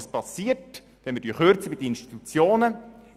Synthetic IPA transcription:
spɑsːiːət | d̥ɛnmɪːd̥yːχøɾt͡səbid̪əinʃt̪i̥t̪ut͡sjoːnə

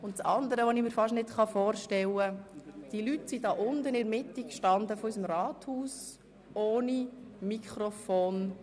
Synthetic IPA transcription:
ʊntt͡sɑnd̪əɾəʋonimiːɾfɑʃnɪtχɑfoːɾʃtɛləd̥iəlytsidɑːʔʊndənɪɾmɪtikʃtɑnd̪əfɔysəmɾɑːt̪huːs | oːnimikχɾɔfoːn

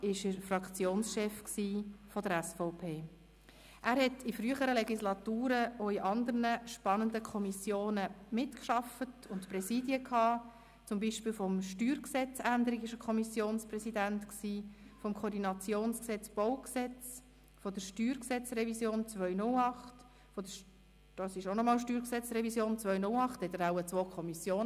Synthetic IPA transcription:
ɪʃəfrɑkt͡sjoːnsʃɛfksiːfɔdəɾɛsfɔʊpʰeː | ʔæːɾhɛtʰifɾyəχəɾəlɛɡislɑtuːɾəʔoiʔɑnd̪əɾnəʃpɑnənd̪əkʰɔmisjoːnəmɪtkʃɑfətʊntprɛsiːdiəkhɑː | t͡sʊmbiːʃpiːlfɔmʃtyːɾksɛt͡sænd̪əɾɪkɪʃəkʰɔmisjoːnspɾrɛsidæntksiːfɔmkʰoːɾdinɑt͡sjoːnsksɛt͡sb̥ɔʊksɛt͡s | fɔd̥̪əɾʃtyːɾksɛt͡srɛvisjoːnt͡sʋœʏnʊlɑχt | fɔd̥̪ə | d̥ɑsɪʃonɔmɑːlʃtyːɾksɛt͡srɛvisjoːnt͡svœʏnʊlɑχthɛt̪əɾaʊət͡sʋoːkʰɔmisjoːn

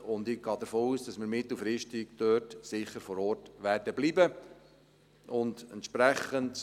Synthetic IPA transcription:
ʊndɪɡ̥ɑːd̪əfoːuːsd̥ɑsmɪɾmɪtl̩fɾɪʃtɪɡd̥øːtsɪχːəɾfɔɾɔːɾtʋærdəbliːbə | ʔʊndə̰ntʃpɾæχənt

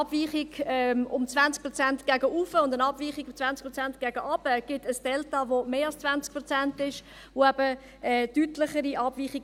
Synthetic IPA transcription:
ɑb̥viːχiɡɛmʊmt͡svant͡skpɾot͡sæntɡ̥æɡəʔufəʊndənɑb̥viːχiɡt͡svænskprʁot͡sænt̚ɡ̥æɡ̥əʔɑb̥əɡ̥ɪtəsd̥ɛltɑvomeːɑlst͡svant͡sk̚pɾot͡sæntɪʃ | voæb̥ə | ɛːtytlɪχəɾiʔɑb̥viːχiɡ

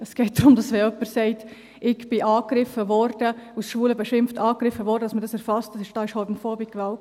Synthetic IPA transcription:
ɛsɡ̥ɛɪt̚d̥ɾʊmd̥ɑsʋɛœpːəɾsɛɪt | ɪɡb̥ɪʔɑːkɾɪfəvɔɾd̥əusʃʋuːləbɛʃɪmftɑːkɾɪfəvɔɾdədɑsməɾdɑsɛɾfɑstdɑsɪʃd̥ɑːɪʃhɔtmfɔːbɪkkːʋaʊ

